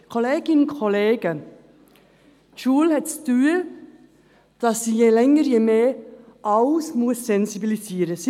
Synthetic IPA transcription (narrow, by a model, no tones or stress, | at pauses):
kʰoleːɡɪnkʰɔleːɡ̥ə | t͡ʃuːlhɛtstyː | d̥ɑsːiːjelɛŋəjemeːʔaʊsmʊssɛnzibilisiːɾəs